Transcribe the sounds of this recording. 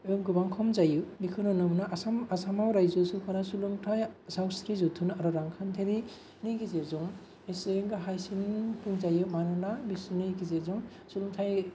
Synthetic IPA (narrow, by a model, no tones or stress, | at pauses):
ɯŋɡubaŋkʰɔmzajɯbikʰɯnɔnɯmnaʔasamasamawɾajzɔsukʰɔnasuluŋtʰajsawsɾizutʰunaɾɔɾaŋkʰantʰeɾi | niɡizezɔŋ | eseŋɡɯɦajsinpʰuŋzajɯmanɯnabisnɯjɡizezɔŋ | suluŋtʰaj